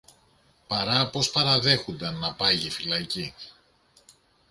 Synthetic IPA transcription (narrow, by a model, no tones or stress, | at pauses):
pɐɾɐpo̞spɐɾɐðe̞xund̪ɐnːɐpɐʝifilɐci